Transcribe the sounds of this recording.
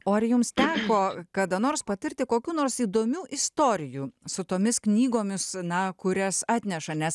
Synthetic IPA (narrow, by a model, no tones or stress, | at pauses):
oːɐɾjʊmst̪ʲæːkoːkɐd̪ɐnoːrspɐt̪ʲɪɾʲt̪ʲɪkoːkʲuːnoːrɾsiːd̪oːmʲuːʔɪst̪oːɾʲɪjuːsʊt̪oːmʲɪsknʲiːɡoːmʲɪsnɐkʊɾʲɛsɑːt̪ʲnʲɛʃɐnʲɛs